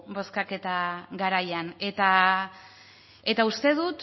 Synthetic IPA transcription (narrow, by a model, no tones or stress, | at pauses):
bo̞skake̞t̪aɡaɾajane̞t̪a | e̞t̪aust̪e̞ðut̪